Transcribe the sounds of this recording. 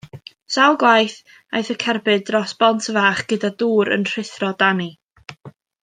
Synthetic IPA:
salˠɡwajθ | ajθəkʰɛrbɨdrɔsb̥ɔntʰəvaːχɡ̥ədaduːɾə̰nr̥ɪθrɔdani

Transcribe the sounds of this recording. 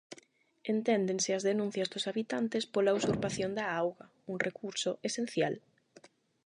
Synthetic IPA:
ent̪ɛnd̪eŋsɪɐzðenũn̟θjɐzðʊsaβit̪ant̪ɪspolausuɾpaθjond̪ɐawɣɐ | uŋrekuɾsʊʔesen̟θjal

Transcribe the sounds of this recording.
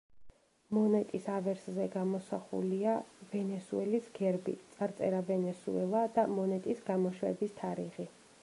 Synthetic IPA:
mɔnɛt̪ʼisavɛɾszɛɡamɔsaχṵliavɛnɛsuɛlisɡɛɾbḭt̪sʼaɾt̪sʼɛɾavɛnɛsṵɛlˠad̪amɔnɛt̪ʼisɡamɔʃwɛbist̪ʰaɾiʁi

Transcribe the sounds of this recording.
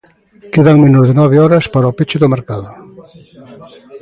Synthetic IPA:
keðaŋmenozðenɔβeɔɾɐspaɾaopet͡ʃɪðʊmeɾkaðʊ

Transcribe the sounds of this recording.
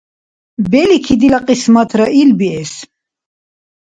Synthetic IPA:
bɛlikʰid̪ilaqʼismat̪ʰɾaʔilbiɛs

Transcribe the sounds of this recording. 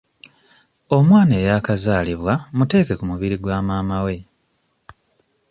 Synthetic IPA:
o̞mwaːne̞ːjakazaːliβwamute̞ːke̞kumuβiɾiɡwaːmaːmawe̞

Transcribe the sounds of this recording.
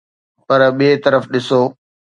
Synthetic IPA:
pɐɾɓiet̪ɐɾəfɗɪsoː

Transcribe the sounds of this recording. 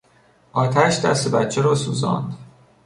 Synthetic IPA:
ʔɒːt̪ʰæʃd̪æ̰st̪ebæt̪t͡ʃʰːeɾɒːsuːzɒ̰ːnd̪

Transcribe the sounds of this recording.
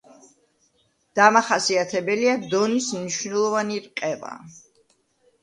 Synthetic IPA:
d̪̥amaχasiat̪ʰɛbɛliad̪ɔnismniʃvnɛlˠɔvaniɾqʼɛva̰

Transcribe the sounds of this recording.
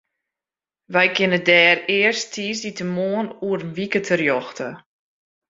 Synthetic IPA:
ʋɛjkɪnədɛːrɪərstʰiːsitəmoənuərnʋikətʰərjɔxtə

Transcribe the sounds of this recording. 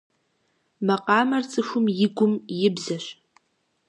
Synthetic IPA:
mɐqɑːmɐrt͡sʼɨxʷʊmjɪɡʷʊmjɪbzɐɕ

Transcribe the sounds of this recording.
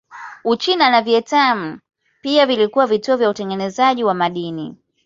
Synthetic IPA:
ut͡ʃinanavjɛtam̩ | piavilikuwavituɔvjautɛŋɡɛnɛzaʄiwamaɗini

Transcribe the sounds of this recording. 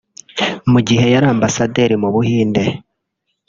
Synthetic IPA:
muɟihe̞jaɾaːmbasade̞ɾimuβuhiːnde̞

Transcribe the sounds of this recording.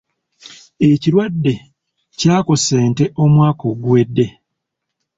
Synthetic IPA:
e̞ciɾwadːe̞ | caːko̞seːnte̞ʔo̞mwaːko̞ɡuwe̞dːe̞

